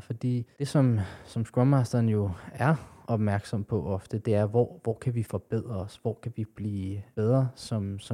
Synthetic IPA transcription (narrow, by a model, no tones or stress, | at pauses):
fɒ̽d̥ḭːd̥e̝sɒ̽msɒ̽msɡ̥ɹɒmɑ̈sd̥ɐnjo̝æɐɒ̽b̥mæɐɡ̥sɒ̽m̰pʰɒ̽ʔɒ̽fd̥əd̥e̝æɐʋɒ̰ːʋɒ̰ːkʰæʋifɒ̽b̥eð̰ˠʁɐsʋɒːkʰæʋib̥liːb̥eð̞ˠʁɐsɒ̽msɒ̽